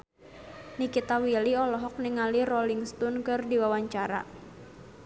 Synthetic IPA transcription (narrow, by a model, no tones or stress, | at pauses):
nikit̪awiliɔlɔɦɔk̚niŋalirɔliŋst̪unkɨrdiwawaɲt͡ʃaɾa̰